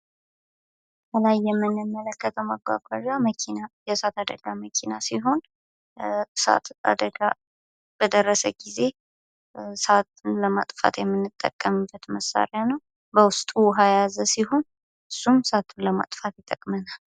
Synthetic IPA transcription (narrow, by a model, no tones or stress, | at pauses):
bʰəlajːɛmːɨnːɨmːələkːət̪ʰəwmaɡwa̰ɡʷwaʒaməkʰinajɛsat̪ad̪əɡaməkʰinasiɦo̞n | sa̰t̪a̰d̪əɡa | b̥əd̪ərːəsəɡize̞ | sat̪unləmat̪ʼfa̰t̪jɛmːɨnːɨt̪ʼːə̰kʼːəmɨbːət̪məsa̰ɾɪanəw | bəwʊst̪ʼuwɦajazəsiɦo̞n | ʔɨsːumsat̪ʰunləma̰t̪ʼfat̪jt̪ʼːəkʼmənal